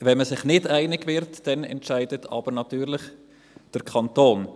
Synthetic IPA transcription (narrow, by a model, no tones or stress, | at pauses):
vɛnməsɪχnɪdæɪnɪɡvɪɾtd̥ɛnɛ̰ntʃæɪdətʰɑ̰b̥əɾnɑt̪yːɾlɪχ | d̥əɾkʰɑnt̪oːn